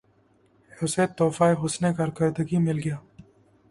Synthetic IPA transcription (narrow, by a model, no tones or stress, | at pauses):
ʊset̪ːoːfaːeɦʊsnekɐɾkəɾd̪əɡimɪlɡɪjaː